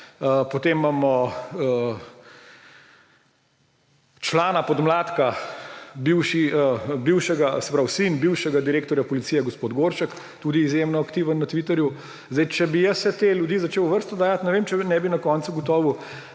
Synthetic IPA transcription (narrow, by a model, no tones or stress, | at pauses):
əpot̪emːamɔə | t͡ʃlaːnapɔd̪mlaːt̪ka | biwʃiəbiwʃɛɡasɛpɾawsinbiwʃɛɡad̪iɾeːk̚t̪ɔɾjapɔlit̪sijɛɡɔspoːd̪ɡoɾʃək | t̪uːd̪iːzjemnɔakt̪iʋənːɐt̪ʋit̪ɛɾju | zd̪ɛjt͡ʃɛbijəssɛt̪eːlʲjud̪iːzat͡ʃewʋəɾst̪ɔd̪aːjat̪nɛʋeːmt͡ʃɛnɛbinɐkɔːnt̪suɡɔt̪ɔːʋu